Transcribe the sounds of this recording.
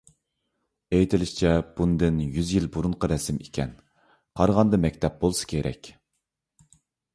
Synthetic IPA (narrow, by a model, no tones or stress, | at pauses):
ejt̪ʰɪlɪʃt͡ʃʰɛb̥und̪ɪnjyzjilbuɾuɴqəɾɛsɪmikʲʰɛn | qʰɑɾʁɑnd̪ɑmɛkʲt̪ʰɛp̚bolˠsɨ̥kʲʰeɾɛ̰kʲ